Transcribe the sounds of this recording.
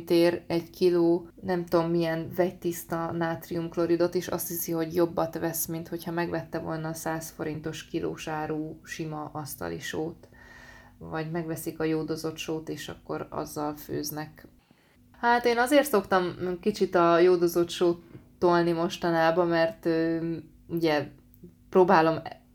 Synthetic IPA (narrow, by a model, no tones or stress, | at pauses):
t̪eːɾɛɟkiloːnɛmt̪omːijɛnvɛc̚t̪ist̪ɒnaːt̪riumklo̞ɾid̪o̞t̪eːʃɒ̰st̪hisiɦo̞ɟjo̞bːɒt̪ʋɛsmint̪ho̞chɒmɛɡvɛt̪ːɛvo̞lnɒːsaːsfo̞ɾint̪o̞ʃkilʔo̰ːʃaːɾuːʃimɒʔɒst̪ɒ̰lḭʃoːt̪ | vɒɟmɛɡvɛsikɒjoːd̪ozo̞t̪ʃoːt̪eːʃɒ̰kːo̞ɾɒ̰zːɒlfø̰ːznɛk | haːt̪eːnɒzeːrt̪so̞kt̪ɒmkit͡ʃit̪ɒjoːd̪ozo̞t̪ʃoːt̪ː | olnimo̞ʃt̪ɒnaːbɒmɛrt̪øː | uɟɛ | proːbaːlo̞m